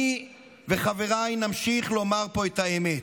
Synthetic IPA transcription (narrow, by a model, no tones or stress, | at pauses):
i | veχave̞ʁajnamʃiχlo̞maʁpo̞ethaemet